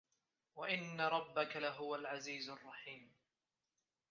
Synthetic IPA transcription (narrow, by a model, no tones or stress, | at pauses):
waʔɪnːaɾˤɑbːakalaɦʊwalʕaziːzɑrˤːɑħiːm